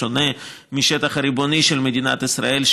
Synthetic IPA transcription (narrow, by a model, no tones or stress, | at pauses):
one | miʃet̪ɐχɐɾiboniʃelmed̪ina̰t̪isɾa̰elʃ